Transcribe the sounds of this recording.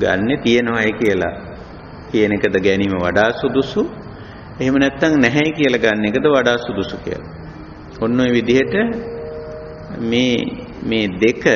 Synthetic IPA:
ɡa̰nːet̪ijənoʋajəkijəla̰ | kijənekəd̪əɡɛniːməʋa̰ɖaːsud̪usu | eɦemənɛt̪ːaŋnɛɦɛjkijəlaɡanːekəd̪əʋaɖaːsud̪usukḭjə̰la | onːumeʋid̪iɦəʈə | meː | meːd̪ekə

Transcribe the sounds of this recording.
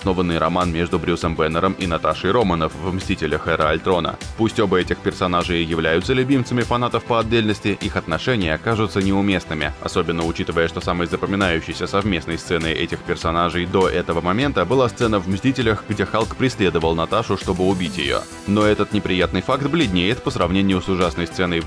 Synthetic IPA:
ɐsno̞vənːɨjɾɐmanmʲe̞ʐd̪ʊbɾʲusəmbɛnəɾəminɐt̪aʂɨjɾo̞mənəfvmsʲtʲitʲɪlʲəxɛɾəɐlʲt̪ɾo̞nə̰pusʲtʲo̞bəɛtʲɪxpʲɪrsɐnaʐɨjɪjɪvlʲæjʊt̪səlʲʉbʲimt̪səmʲɪfɐnat̪əfpəɐd̪ʲːelʲnəsʲtʲɪʔixɐt̪nɐʂɛnʲɪjəɐkaʐʊt̪sənʲɪʊmʲe̞snɨmʲɪ̰ɐ̰so̞bʲɪnːəʊt͡ɕit̪əvəjəʂt̪o̞samɨjzəpəmʲɪnajʉɕːɪjsʲəsɐvmʲe̞snəjst̪sɛnɨʔɛ̰tʲɪxpʲɪrsɐnaʐɨjd̪o̞ʔɛt̪əvəmɐmʲe̞nt̪əbɨlˠast̪sɛnəvmsʲtʲitʲɪlʲəxɡdʲexalˠkpɾʲɪsʲlʲe̞d̪əvəlˠnɐt̪aʂʊʂt̪o̞bɨʊbʲitʲjɪ̰jo̰ | no̞ɛt̪ət̪nʲɪpɾʲɪjat̪nɨjfakt̪blʲɪdʲnʲejɪt̪pəsɾɐvnʲenʲɪjʊsʊʐasnəjst̪sɛnəj

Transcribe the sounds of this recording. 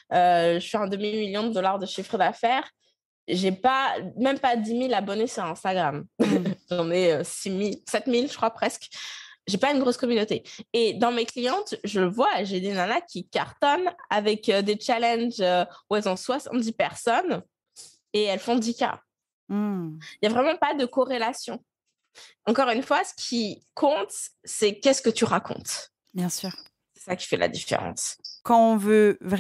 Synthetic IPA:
øʒəʃiɛ̃d̪əmimiljɔ̃d̪əd̪ɔlaʁd̪əʃifχəd̪afɛːʁ | ʒepamɛmpad̪imilabɔnesyʁɛ̃st̪aɡʁamʒɑ̃nɛøsimilsɛt̪milʒəkχwapχɛskʒepaynɡʁoskɔmynot̪eed̪ɑ̃meklijɑ̃t̪ʒələvwaʒed̪enanakʲikaʁt̪ɔna̰vɛkød̪et͡ʃalɛ̃nʒøuɛlzɔ̃swasɑ̰̃t̪̚d̪ipɛʁsɔn | eɛlfɔ̃d̪ika̰ | ljavʁɛmɑ̃pad̪əkɔʁelasjɔ̃ | ɑ̃kɔʁynfwasə̥kʲʰikʰɔ̃t̪sɛkʲɛsə̥kət̪yʁakʰɔ̰̃t̪ | bjɛ̃syːʁ | sɛ̥sakʲi̥fɛlʔa̰d̪ifḛʁɑ̰̃skɑ̃ɔ̃vøvʁ

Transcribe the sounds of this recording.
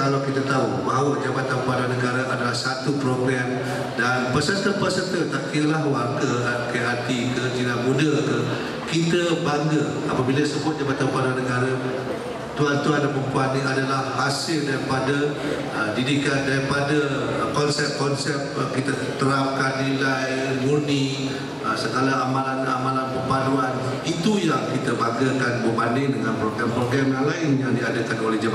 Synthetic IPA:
kalawkit̪at̪aubaɦwəd͡ʒabat̪anpadanəɡaɾaʔadalahsat̪upɾoɡɾɛm | danpəsət̪əpəsənt̪ət̪akilahwarɡəakajʔat̪ikəd͡ʒilamũndəkə | kit̪əbaŋɡə | a̰pəbiləsəbʊt̪̚d͡ʒabat̪anpadwanəɡaɾa | t̪uant̪uandaməkuannĩadalahːasɪldaɾipada | ədidikat̪̚daɾipadəkɔnsɛp̚kɔnsɛp̚kit̪ə | t̪əɾap̚kanːilaj | muni | əsəɡalaamãlana̰mãlanpəpaduan | it̪ujakit̪əbaŋɡəkanbəbandɪŋdəŋãnpɾoɡɾampɾoɡɾamjaŋlaɪnjaŋdiadəkanolɛhd͡ʒaba

